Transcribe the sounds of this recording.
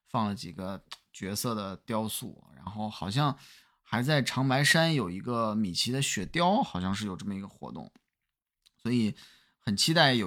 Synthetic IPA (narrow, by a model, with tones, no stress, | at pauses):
fɑ˥˩ŋlə˩t͡ɕi˨˩ɡə˦t͡ɕɥɛ˧˥sɤ˥˩d̪ə˩t̪jɑ˥ʊsṵ˥˩ɻa̰˧˥nxo˥˩ʊxɑ˨˩ʊɕ̬jɑ˥˧ŋ | xa˧˥ɪt͡sa˥˩ɪʈ͡ʂʰɑ˧˥ŋpa˧˥ɪʂa˥njo˨˩ʊi˧˥ɡə˧mi˨˩t͡ɕʰi˧˥d̪ə˧ɕɥɛ˨˩t̪jɑ˥ʊxɑ˨˩ʊɕjɑ˥˧ŋʂɻ̩˥˩jo˨˩ʊʈ͡ʂɤ˥˩mə˩i˧˥ɡə˧xwɔ̰˧˥t̪ʊ̰˥˩ŋ | swɔ˧˥i˧˩ | xə˨˩nt͡ɕʰi˥t̪a˥˩ɪjo˨˩